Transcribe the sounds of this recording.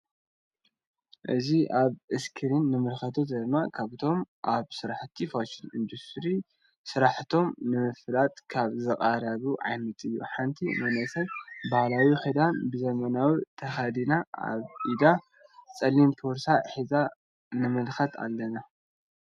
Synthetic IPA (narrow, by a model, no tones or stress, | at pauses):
ʔɨziʔaβʔɨskʰɨɾinːɨmɨlxɐt̪ʰot̪d̪ɐmːakʰaβɨt̪ʰo̞mʔaβsɨɾaħt̪ʰifoʃinɨnd̪ust̪ɾi | sɨɾaħt̪ʰo̞mnɨmɨfɨlat̪̚kʰaβzɨkʼaɾɐβuʕa̰jnɐt̪ʼɨjːṵħant̪ʰimɐnɐsɐlbahlawiħed̪anbɨzɐmɐnawit̪ʰɐxad̪inaʔa̰βʔid̪a | t͡sʼɐlːimt̪ʰoɾsaħiza | nɨmɨlxɐt̪ʰa̰lːɐna